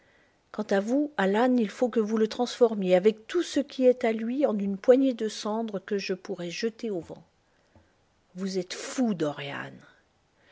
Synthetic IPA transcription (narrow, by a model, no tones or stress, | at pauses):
kɑ̃t̪avualanilfokəvulət̪χɑ̃sfɔʁmjeavɛk̚t̪usəkʲiɛt̪alɥiɑ̃nynpwaɲed̪əsɑ̃d̪ʁəkəʒəpuʁɛʒət̪eovɑ̰̃ | vuzɛt̪fud̪ɔʁja̰n